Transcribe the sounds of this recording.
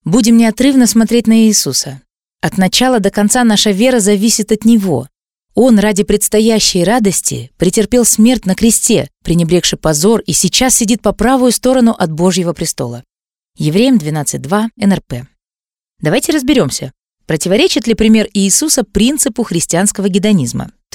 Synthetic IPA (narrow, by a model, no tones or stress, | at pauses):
budʲɪmnʲɪɐt̪ɾɨvnəsmɐt̪ɾʲetʲnəɪːsusə | ɐt̪nɐt͡ɕalˠəd̪əkɐnt̪sanaʂəvʲe̞ɾəzɐvʲisʲɪt̪ɐt̪nʲɪvo̞̰ | o̞nradʲɪpɾʲɪt̪st̪ɐjæɕːɪjrad̪əsʲtʲɪ̰pɾʲɪtʲɪrpʲe̞lˠsmʲe̞rtʲnəkɾʲɪsʲtʲe̞̰pɾʲɪnʲɪbɾʲe̞kʂɨpɐzo̞risʲɪt͡ɕasːʲɪdʲit̪̚pɐpɾavʊjʊst̪o̞ɾənʊʔɐt̪̚bo̞ʐjɪvəpɾʲɪst̪o̞̰lˠə | jɪvɾʲejɪmd̪vʲɪnat̪sɨt̚ʲd̪vaɛnɛrpɛ | d̪ɐvajtʲɪɾəzbʲɪɾʲo̞msʲə | pɾətʲɪvɐɾʲet͡ɕɪt̪lʲɪpɾʲɪmʲe̞rɪːsusəpɾʲint̪sɨpʊxɾʲɪsʲtʲɪanskəvəɡʲɪd̪ɐnʲizmə̰